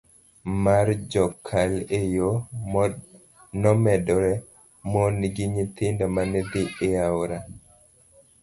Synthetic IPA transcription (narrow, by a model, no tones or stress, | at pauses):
maɾd͡ʒɔkʰːalejomɔ | nɔmɛdɔɾɛ | mɔniɡiɲit̪ɪndamaned̪iːawɾa